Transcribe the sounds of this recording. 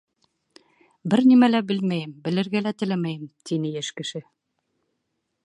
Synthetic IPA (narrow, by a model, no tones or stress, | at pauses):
bɘɾnimælæbɘlmæjɘmbɘ̆lɘ̆ɾɡælæt̪ɘ̆læmæjɘmt̪inɘjæʃkɘ̆ʃɘ